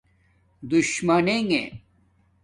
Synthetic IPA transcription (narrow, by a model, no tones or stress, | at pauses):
d̪uɕmɐneŋḛ̃